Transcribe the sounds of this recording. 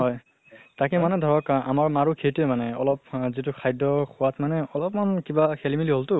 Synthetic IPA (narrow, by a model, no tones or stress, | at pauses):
ɦɔj | takɛmanɛdʱɔɹɔka̰maɹmaɹukʰetemanɛɔlɔpzitʊkʰajdɔxʰʊwatmanɛɔlɔpmankibakʰelimiliɦoltʊ